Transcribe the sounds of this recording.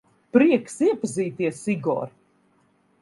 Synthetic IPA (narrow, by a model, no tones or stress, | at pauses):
pɾiɛksiɛpaziːt̪iɛsiɡɔ̰ːɾ